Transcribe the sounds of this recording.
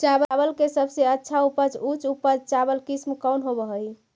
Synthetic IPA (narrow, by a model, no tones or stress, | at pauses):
t͡ʃabəbəlkesəbseətːʃʰaupəd͡ʒut͡ʃupəd͡ʒt͡ʃabəlkismkəwnɦobəɦəj